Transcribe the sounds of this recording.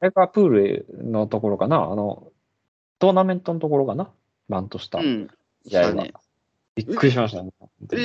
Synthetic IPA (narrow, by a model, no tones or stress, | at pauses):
aekapɯ̟ːɾɯ̟no̞t̪o̞ko̞ɾo̞kanaa̰no̞̰ | d̪̥o̞ːnamẽ̞nt̪o̞not̪o̞ko̞ɾokana | bãnt̪o̞ɕi̥t̪a̰ | iaiβa̰ | b̥ʲikːɯ̟ɾʲiɕ̬imaɕ̬t̪anet̪e